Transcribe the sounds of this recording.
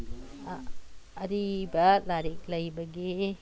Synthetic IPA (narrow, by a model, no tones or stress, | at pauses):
ɾibɐlaɾik̚lɐjbɐɡi